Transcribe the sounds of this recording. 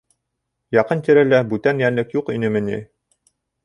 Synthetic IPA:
jɑqɤnt̪iɾælæbʉt̪ænjænlɘkjuqinɘmɘ̆nʲḭ

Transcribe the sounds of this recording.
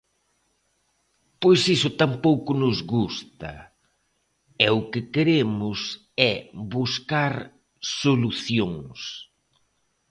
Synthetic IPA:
pojsisʊt̪ampowkʊnʊzɣust̪ɐ̰ | ɛʊkɪkeɾemʊs | ɛβuskaɾ | soluθjoŋs

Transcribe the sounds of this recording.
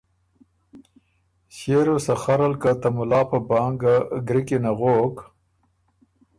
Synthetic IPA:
ɕeɾosaxaɾalkat̪amʊlɑːpəbɑːŋɡaɡɾikenaɣok

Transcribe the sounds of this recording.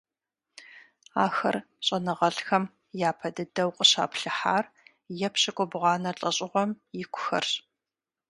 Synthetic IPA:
aːxɐ̰r | ɕʼɐnɨʁɐɬxɐm | jaːpʰɐdɨdɐwqʷʼəɕa̰ːpɬɨħaːr | jɛpɕɪkʷʼʊbʁɑːnɐɬʼɐɕʼɪʁʷɔmjɪkʷʰʊ̥xɐ̰rɕ

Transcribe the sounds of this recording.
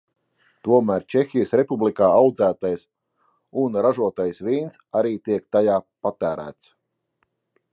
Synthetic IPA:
t̪uɔmæːɾt͡ʃexʲijəsɾepublikaːawd̪zæːt̪ajs | unɾaʒuɔt̪ajsviːnsaɾiːt̪iɛkt̪ajaːpat̪æːɾæ̰ːt̪s

